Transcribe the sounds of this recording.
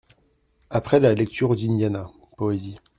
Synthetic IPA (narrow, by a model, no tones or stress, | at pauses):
apχɛlalɛk̚t̪ʰyʁd̪injana | pɔezi